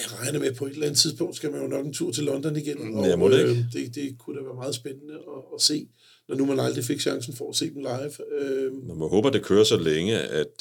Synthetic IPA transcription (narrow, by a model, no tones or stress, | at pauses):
æʁɑ̈ɪnəmepʰɒ̽e̝d̥lænð̩ˠt͡sʰiðˠsb̥ɔ̽ŋ̰d̥sɡ̥æmænjo̝nɒ̽ɡ̥ent͡sʰuɐ̰t͡sʰe̝lːɒ̽nd̥ɒniɡ̥enɒmɔed̥e̝d̥e̝kʰud̥æʋæːɐmɑ̈ːð̞̩ˠsb̥enənəɒse̝̰ː | nɒnumænɑ̈ld̥ʁife̝ɡ̥ɕɑ̈ŋsn̩fɒæse̝̰ːd̥em̩lɑ̈ɪʋømæɦɔ̰ːb̥ɐæd̥e̝kʰøːɐsɒleŋəæd̥